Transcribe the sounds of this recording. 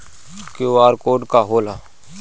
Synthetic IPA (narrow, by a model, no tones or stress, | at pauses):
koːaːɾkoːɖkaːɦoːlaː